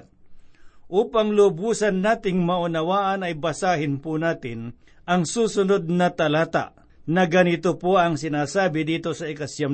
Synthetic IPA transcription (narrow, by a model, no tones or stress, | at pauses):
ʔuːpaŋlʊbuːsɐnːaːt̪ɪŋmɐʔʊnɐwaːʔɐnɐjbɐsaːɦɪnpʊnaːt̪ɪn | ʔɐŋsuːsʊnod̪̚nɐt̪ɐlaːt̪a̰ʔ | nɐɡɐnɪt̪opoʔɐŋsɪnaːsaːbɪd̪iːt̪osɐɪkɐsjɐm